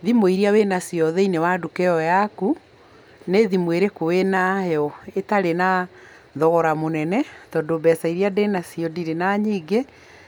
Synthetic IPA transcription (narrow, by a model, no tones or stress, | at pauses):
ðimoiɾiawenasiɔðeinewadukɛɔjaku | neðimweɾekowenahɛɔetaɾena | ðɔɣɔɾamonɛnɛtɔːdobɛsaiɾiadenasijɔdiɾenaɲiːɡe